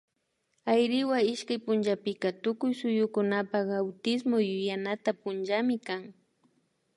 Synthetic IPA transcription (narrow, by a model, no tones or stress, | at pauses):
ajɾɪwaɪʃkajpʊnʒapɪkat̪ʊkʊjsʊjʊkʊnapakawt̪ɪsmojʊjanat̪apʊnʒamɪkaŋ